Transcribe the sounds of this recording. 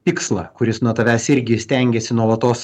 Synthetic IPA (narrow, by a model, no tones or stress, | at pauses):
pʲɪkslˠɐ̰kʊɾʲɪsnuɔt̪ɐʋʲæːsɪɾʲɡʲɪsʲt̪ʲɛŋʲɡʲɛsʲɪnuɔlˠɐt̪oːs